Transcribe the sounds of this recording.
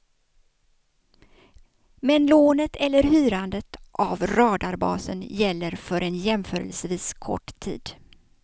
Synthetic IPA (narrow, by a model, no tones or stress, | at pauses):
mɛnloːnət̪ʰɛlːəɾhyːɾand̪ət̪ʔavɾɑːd̪aɾbɑ̰ːsə̰njɛlːəɾfœɾɛnjɛmfœːɾə̰lsviːskʰɔ̰ʈːt̪ʰḭːd̪